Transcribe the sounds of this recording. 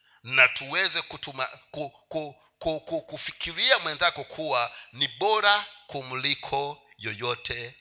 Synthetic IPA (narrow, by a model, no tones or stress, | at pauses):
natuwɛzɛkutumakuku | kukukufikʰiɾiamwɛnzakɔkʰuwaniɓɔɾakum̩likʰɔ | jɔjɔtʰɛ